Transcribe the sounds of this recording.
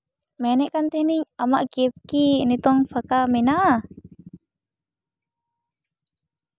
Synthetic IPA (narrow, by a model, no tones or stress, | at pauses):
mɛnɛʔkant̪ɛhniɲamaʔkiɛp̚kinit̪ɔŋfakamɛna